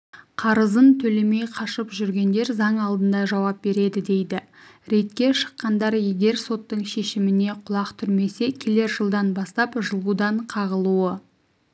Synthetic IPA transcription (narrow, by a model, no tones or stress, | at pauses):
qʰɑɾəzənt̪ʰɵle̞me̞jqʰɑʃəpʒʏɾɡʲe̞nd̪e̞ɾzɑɴɑlˠd̪ənd̪ɑʒɑwɑp̚be̞ɾe̞d̪ɪd̪e̞jd̪ɪ | ɾe̞t̪kʲe̞ʃə̥qːɑnd̪ɑɾjeɡʲe̞ɾso̞t̪ːəɴʃe̞ʃɪmɪne̞qʰʊlˠɑqt̪ʰʏɾme̞se̞kʲʰe̞le̞ɾʒəlˠd̪ɑnbɑst̪ɑpʒəlˠud̪ɑɴqʰɑʁəlˠuə